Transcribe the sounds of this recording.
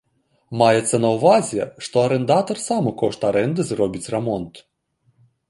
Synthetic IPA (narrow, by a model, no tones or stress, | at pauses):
majɛt̪sːɐnɐwvazʲɛʂt̪ɔɐɾɛnd̪at̪ɐrsamɨkɔʂt̪ɐɾɛnd̪ɨzrɔbʲit͡sʲrɛmɔnt̪